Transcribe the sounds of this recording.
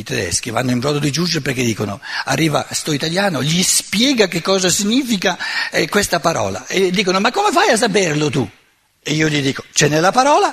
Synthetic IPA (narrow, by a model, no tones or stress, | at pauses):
it̪ɛd̪ɛ̰sk̟iva̰nːoimpɾɔːd̪od̪id͡ʒud͡ʒeɾpeɾkːed̪ːiːkonoa̰rːiːva̰st̪ɔit̪aljaːnoʎispjɛːɡak̟ekːɔːzasiɲːiːfikakwest̪apaɾɔ̰ːla̰ed̪ːiːkonomakːomefajas̬ːaperlot̪u | eiːoʎid̪iːkot͡ʃɛnːelːapaɾɔːla